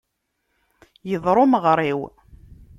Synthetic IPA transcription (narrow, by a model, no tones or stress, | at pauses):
jəðˤɾˤoməʁɾˤiw